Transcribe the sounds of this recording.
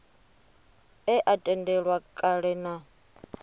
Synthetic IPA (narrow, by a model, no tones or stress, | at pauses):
ɛʔatʼɛndɛɺwakʼaɺɛna